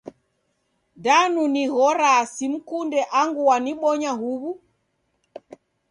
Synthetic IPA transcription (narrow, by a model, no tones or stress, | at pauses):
danuniɣɔɾasim̩kundɛʔaŋɡuaniɓɔɲaɦuβu